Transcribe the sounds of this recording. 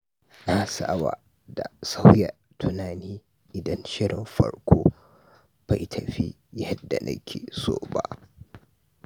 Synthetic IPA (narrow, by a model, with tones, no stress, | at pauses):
na˦sa˦˨wa̰˨ | da˨sa˦wjɐ˨ | tʰʊ˨naː˨niː˦ | ʔɪ˨dɐ˦nʃɪ˦ɽɪ˨mɸɐ̰˨ɽkʷʰoː˦ | b̥a˨jtʰɐ˨ɸḭ˦ | jɐ˦dːa˨nʔɐ̰˦kʲʰeː˨so̰ː˦ba˦ʔ